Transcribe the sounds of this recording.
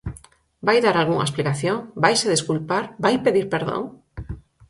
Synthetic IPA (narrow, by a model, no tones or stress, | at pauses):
bajðaɾalɣuŋa̰esplikaθjõŋbajseðeskulpaɾbajpeðiɾpeɾðõ̰ŋ